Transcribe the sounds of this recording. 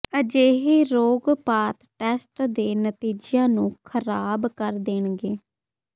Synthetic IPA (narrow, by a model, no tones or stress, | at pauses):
əd͡ʒeːɦeːɾoːɡpaːt̪ʈɛːsʈd̪eːnət̪iːd͡ʒjãːnũːkʰəɾaːbkəɾd̪eɳɡeː